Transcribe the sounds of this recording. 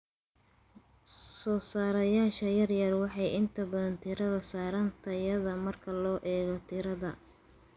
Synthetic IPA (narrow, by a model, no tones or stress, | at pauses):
sɔːsaːɾɐjaːʃɐjɐrjɐrwɑħɑjɪnt̪ʰɐbɐðɐnt̪ʰɪɾɐðɐsaːɾɐnt̪ʰɐjɐðɐmɐrkʰɐlɔːʔɛːɣɔt̪ʰɪɾɐðɐ